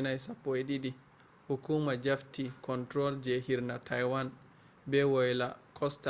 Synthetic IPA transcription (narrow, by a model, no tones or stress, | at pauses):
najsapːɔɛɗidi | hukuːmad͡ʒaftikɔntɾɔld͡ʒɛhiɾnatʰajwan | bɛwɔjlakʰɔsta